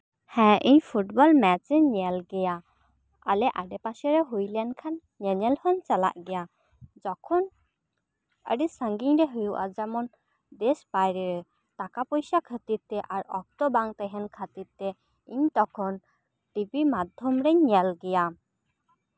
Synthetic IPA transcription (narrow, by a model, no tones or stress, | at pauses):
hɛ̃ʔiɲpʰuʈbɔlmɛt͡ʃɛɲalɡɛja | alɛʔaɖɛpaʃɛɾɛɦujlɛnkʰan | ɲəɲɛlhɔnt͡ʃala̰ʔɡɛja | d͡ʒɔkʰɔn | ə̰ɖɛsəŋɡiɲɾɛɦujuʔa̰d͡ʒamɔn | d̪ɛsbajɾɛɾɛ | t̪akapɔjsakʰət̪iɾt̪ɛʔaɾɔk̚t̪ɔbaŋt̪ɛɦɛnkʰat̪iɾt̪ɛ | iɲt̪ɔkʰɔn | ʈibimad̪ʱɔmɾɛɲɲɛlɡɛja